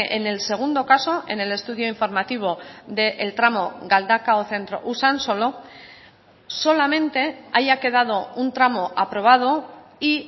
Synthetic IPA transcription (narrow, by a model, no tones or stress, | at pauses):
ʔene̞lse̞ɣ̞und̪o̞kaso̞ʔe̞̰ne̞le̞st̪uðjoiɱfo̞ɾmat̪iβ̞o̞ðe̞ʔelt̪ɾamo̞ɣald̪akaoθe̞nt̪ɾo̞̰ʔusanso̞lo̞ | so̞lamẽ̞nt̪e̞aʝake̞ð̞að̞o̞unt̪ɾamo̞ʔapɾo̞β̞að̞o̞i